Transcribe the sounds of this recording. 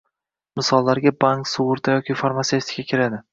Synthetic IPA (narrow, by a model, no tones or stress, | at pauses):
mɪsɒlˠːaɾɡʲabaŋksʊwʊɾt̪ʰajɒkʲɪfaɾmat̪eft̪ʰɪ̥kʰʲakʲʰɪɾad̪ɪ